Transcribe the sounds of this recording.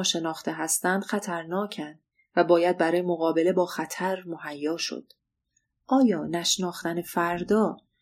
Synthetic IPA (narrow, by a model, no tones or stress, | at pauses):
ɒːʃe̞nɒːxt̪ʰe̞ɦæst̪ænd̪̥xæt̪ʰæɾnɒːcʰænd̪̥ | væbɒːjæd̪̚bæɾɒːjemoɣɒːbe̞le̞bɒːxæt̪ʰæɾmohæjːɒːʃo̰d̪̥ | ʔɒːjɒːnæʃnɒːxt̪ænefæɾd̪ɒː